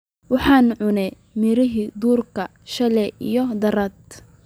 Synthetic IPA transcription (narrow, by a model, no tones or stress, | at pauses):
wɑħɑːnʕʊnɛ | mɪɾɪɦiːd̪uːrkʰɐ | ʃɐlɛijɔd̪ɐɾɐd̪